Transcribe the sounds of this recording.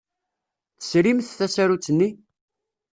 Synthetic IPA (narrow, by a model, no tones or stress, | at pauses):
θə̥sɾimθθæsæɾut͡sːənːi